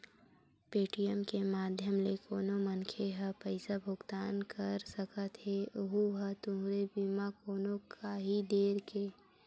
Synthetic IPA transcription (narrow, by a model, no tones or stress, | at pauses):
peːʈijəmkemaːd̪ʱjəmlekoːnomənkʰeɦəpəɪsabʱʊɡt̪aːnkəɾsəkət̪ɦeʊɦuɦət̪ʊɦɾebimakoːnokʰaɦid̪eːɾkeː